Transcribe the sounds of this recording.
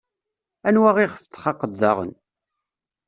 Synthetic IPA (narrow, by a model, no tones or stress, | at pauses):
ænwæʁiχəft̪χɑqəd̪ːɑ̰ʁə̰n